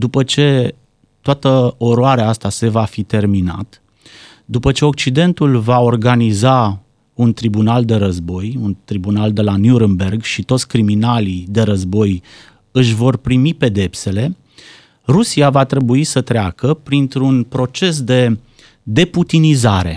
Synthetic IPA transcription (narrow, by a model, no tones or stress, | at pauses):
d̪upət͡ʃe̞ | t̪oat̪əo̞ɾoaɾeaast̪ase̞vafit̪e̞rmina̰t̪ | d̪upət͡ʃe̞o̞k̚t͡ʃid̪e̞nt̪ulvao̞rɡaniza | unt̪ɾibunald̪e̞ɾəzbo̞junt̪ɾibunald̪e̞lanjuɾɨnbe̞rɡʃit̪o̞t̪sʲkɾiminalid̪e̞ɾəzbo̞j | ɨʃvo̞rpɾimipe̞d̪e̞pse̞le̞ | rusiavat̪ɾe̞buisət̪ɾeakəpɾint̪ɾunpɾo̞t͡ʃe̞s̬d̪e̞ | d̪e̞put̪inizaɾe̞